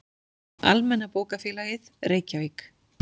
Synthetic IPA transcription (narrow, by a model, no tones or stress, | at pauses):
a̰lmɛnːapoːwkafjɛːlaɣɪðreːjcavijk